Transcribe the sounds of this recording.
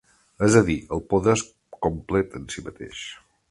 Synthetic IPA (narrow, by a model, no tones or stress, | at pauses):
əzəðiəlˠpoðəs | komplɛt̪ənsimət̪ḛʃ